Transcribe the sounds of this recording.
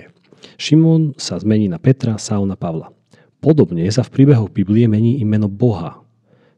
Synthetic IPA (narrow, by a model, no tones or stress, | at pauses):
ʃimɔnsazmɛɲiːnapɛt̪ɾasaʊnapaʋla̰ | pɔd̪ɔbɲɛsafpɾiːbɛɦɔɣbibliɛmɛɲiːʔimɛnɔbɔɦa̰